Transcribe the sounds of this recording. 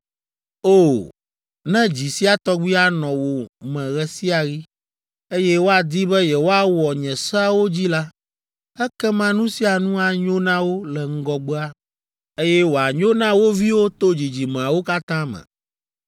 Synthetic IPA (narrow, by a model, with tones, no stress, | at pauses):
o˦˨ | nɛ̃˦d͡ʑi˨si˦a˨t̪ɔ˦ɡ͡bi˦a˦nɔ̃˨wo˨mɛ̃˨ɣɛ˦si˦a˨ɣi˦ | e˦jɛ˦wo˦a˨d̪i˦bɛ˦jɛ˨wo˦a˦wɔ˨ɲɛ̃˨sɔ˦a˦wo˦d͡ʑi˦la˦ | ɛ˦kɛ˦mã˦nũ˦si˦a˨nũ˦a˨ɲo˦nã˦wo˦lɛ˨ŋ̩˦ɡɔ˦ɡ͡bɔ˦a˦ | e˦jɛ˦wo˨a˨ɲõ˦nã˦wo˦vi˦wo˦t̪o˦d͡ʑi˨d͡ʑi˨m̃˨a˨wo˦ka˦t̪ã˦mɛ̰̃˨